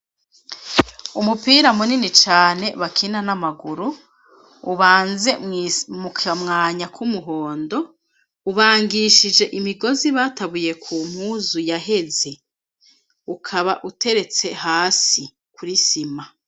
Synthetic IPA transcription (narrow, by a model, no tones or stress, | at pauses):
umupiːɾamuninit͡ʃaːne̞βakʰinanamaɡuɾuː | βaːnze̞mukamŋaːɲakʰumuɦo̞ːndo̞ | uβaːŋɡiʃid͡ʒe̞ʔimiɡo̞ziβaːtaβuje̞kʰuːm̥huːzujaɦe̞ze | ukʰaβaʔutʰe̞ɾe̞t͡se̞haːsi | kʰuɾisima